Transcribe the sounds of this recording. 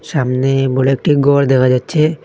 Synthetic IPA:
ʃamneboɽeek̚ʈiɡʱɔɾd̪ekʰad͡ʑatːɕʰe

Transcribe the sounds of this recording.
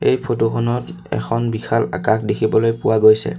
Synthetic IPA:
ejpʰotokʰɔnɔt | ɛ̰kʰɔnbixʰala̰kakʰdekʰibɔlojpʊwaɡojsɛ̰

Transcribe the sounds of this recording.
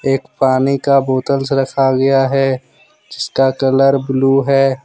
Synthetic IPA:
eːkpaːnikaboːt̪əlsɾɐkʰaɡɐjaɦɛ | d͡ʒɪskakələɾbluɦɛː

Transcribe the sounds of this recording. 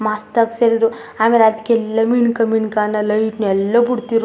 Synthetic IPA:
mast̪əkselɾu | amiɾat̪kelːəminkəminkanələiʈnɛlːəbuɽt̪iɾ

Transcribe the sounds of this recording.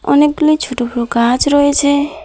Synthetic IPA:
ɔ̰neklit͡ʃʰoʈopʰɾokad͡ʒɾɔet͡ʃʰe

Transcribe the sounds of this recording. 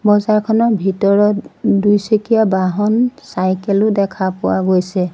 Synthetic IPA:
bɔzaɹkʰɔnɔɹbʱitɔɹɔtdujsekijabaɦɔnsajkɛlʊdɛkʰapʊwa̰ɡojsɛ

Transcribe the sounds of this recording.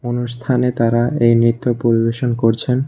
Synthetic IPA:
onuʃt̪ʰanet̪aɾaejnɾit̪ːopoɾibeʃonkoɾt͡ɕʰen

